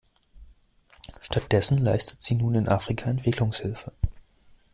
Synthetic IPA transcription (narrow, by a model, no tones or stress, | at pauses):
ʃtat̚d̥ɛsn̩laɪstə̥tz̥iːnuːnɪnʔaːfʁ̥ikʰaɛntv̥ɪkʰlʊŋshɪlfə